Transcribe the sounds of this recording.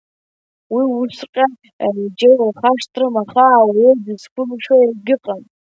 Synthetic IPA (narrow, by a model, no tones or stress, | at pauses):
wiwusqʲʼa | d͡ʒewrχaʂtʼrɨmaχaːwedɨzkʷʰʼʊmʂoirɡɨqʼan